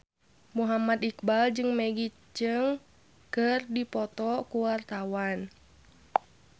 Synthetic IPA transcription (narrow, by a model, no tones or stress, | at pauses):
muɦamad̪ik̚bald͡ʒɨŋmɛɡi | d͡ʒɨŋ | kɨrdipɔt̪ɔkuwart̪awan